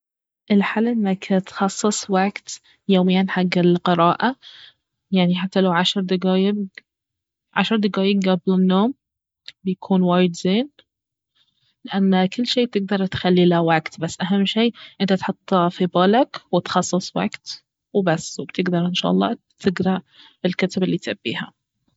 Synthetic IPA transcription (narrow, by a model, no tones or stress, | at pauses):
ʔɪlħalːʔɪnːakt̪xɑsˤːɨsˤwaɡt̪ | joːmɪjːanħaɡːɪlqɨɾˤɑːʔa | jaʕniħat̪ːalawʕaʃɾˤd̪aɡaːjɪ | ʕa̰ʃɾˤd̪aɡaːjɪɡɡablɪnːoːm | bɪjakʰuːnwaːjɪd̪zeːn | lɪʔanːkʊlːʃeːb̚t̪ɪɡ̚d̪ɑɾˤt̪xalːilawaɡt̪basːʔaɦamːʃiːʔɪnt̪at̪ħʊt̪ˤːfibɑːlakwɪt̪xɑsˤːɨsˤwa̰ɡ̥t̪ | wbasːbt̪ɪɡd̪ɑɾˤʔɪnʃa̰ːʔɑlˤːɑ̰ː | t̪ʰɪɡɾɑ | bɪlkat̪abɪlːiːt̪ʔabːḭːha̰